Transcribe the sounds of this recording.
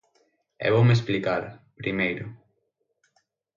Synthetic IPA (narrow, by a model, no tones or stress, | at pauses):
ḛβowmesplikaɾpɾimejɾʊ